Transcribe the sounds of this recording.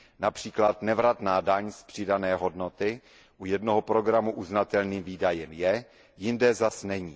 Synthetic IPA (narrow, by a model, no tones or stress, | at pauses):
napr̝̥iːklat̪nɛvɾat̪naːdaɲspr̝̥ɪdanɛːɦo̞dno̞t̪ɪ | ʔujɛdno̞ɦopɾo̞ɡɾamuʔuznat̪ɛlniːmviːdajɛmjɛ | jɪndɛzasnɛɲiː